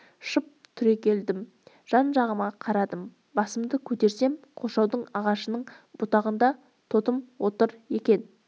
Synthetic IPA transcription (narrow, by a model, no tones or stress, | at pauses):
ʃəp̚t̪ʰʏɾe̞kʲʰe̞ld̪ɪm | ʒ̥ɑnʒɑʁəmɑqʰɑɾɑd̪əm | bɑsəmd̪əkʲʰɵt̪e̞ɾse̞mqʰo̞ʃɑwd̪əɴɑʁɑʃənəɴ | bʊt̪ɑʁənd̪ɑ | t̪ʰo̞t̪əmwo̞t̪əɾje̞kʲe̞n